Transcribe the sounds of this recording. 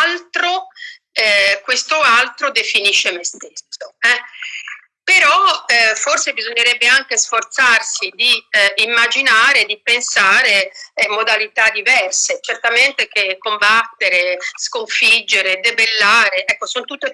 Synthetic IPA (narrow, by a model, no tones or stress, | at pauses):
alt̪ɾo | ɛkwest̪oalt̪ɾod̪efiniʃːemest̪esːoɛ | peɾɔforsebizoɲːeɾɛbːeaŋk̟esfort̪sarsid̪iimːad͡ʒinaːɾed̪ipensaːɾemod̪alit̪ad̪ivɛrset͡ʃert̪ament̪ek̟ekːombat̪ːeɾeskoɱfid͡ʒːeɾed̪ebelːaːɾeʔɛkːosont̪ut̪ːe